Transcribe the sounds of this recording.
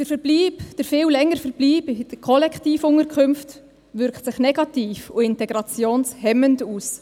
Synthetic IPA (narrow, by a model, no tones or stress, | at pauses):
d̥əɾfəɾb̥liːbd̥əɾfɪːllɛŋəɾfəɾb̥liːbd̥əkʰɔlɛkχtiːfʊŋəɾkʰχʏmft | ʋʏɾktsɪχnɛɡɑtiːfuɪntɛɡɾɑt͡sjoːnshɛmənduːs